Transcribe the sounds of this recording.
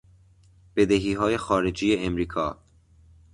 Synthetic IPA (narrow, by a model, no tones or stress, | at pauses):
b̥e̞d̪eɦiːɦɒːje̞xɒːɾed͡ʒiːjeemɾiːkʰɒː